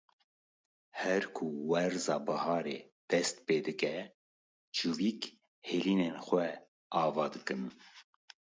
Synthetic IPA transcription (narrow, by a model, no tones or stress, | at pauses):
hɛɾkʰuwɛɾzɑːbɨhɑːɾeː | d̪̥ɛst̪peːd̪ɨkɛ | t͡ʃuviːk | heːliːneːnxʷɛ | ʔɑːvɑːd̪ɨkɨn